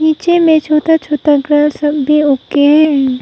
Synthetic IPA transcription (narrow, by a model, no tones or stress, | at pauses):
iːt͡ʃemẽt͡ʃʰoːt̪at͡ʃʰoːt̪aɡɾalsɐbiʊkeɦɛ